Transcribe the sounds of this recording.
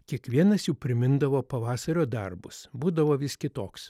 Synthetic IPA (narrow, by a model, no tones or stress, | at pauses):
kʲiɛkʋʲiɛnɐsjuːpʲɾʲɪmʲɪnd̪ɐʋoːpɐʋɑːsɐɾʲoːd̪ɐ̰rbʊ̰sbuːd̪ɐʋoːʋʲɪskʲɪt̪oːks